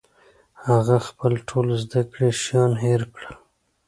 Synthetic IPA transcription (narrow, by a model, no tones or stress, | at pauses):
haɣaxpəlʈʰolzd̪akɽeʃjɑnɦeɾkɽə